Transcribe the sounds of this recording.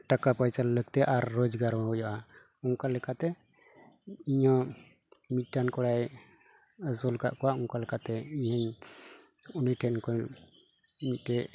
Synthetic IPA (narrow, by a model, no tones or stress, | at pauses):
ʈakapajsalːəɡ̚t̪ɛʔaɾːɔd͡ʒɡaɾmɛɦɔjɔʔa | uŋkalɛkat̪ɛ | iɲɔ̃ | miʈːankɔɽaj | əsɔlka̰ʔkɔwaʔuŋkalɛkat̪ɛiɲaɲ | uniʈʰɛnkɔ | miʈɛ